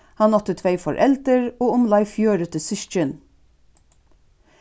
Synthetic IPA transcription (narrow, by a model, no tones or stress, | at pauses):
hɑnɔt̪ət̪ʰʋeɪfɔ̰ɹʔɛlt̪əɹoːʊmlɑɪfjøːɾət̪əsɪʃt͡ʃən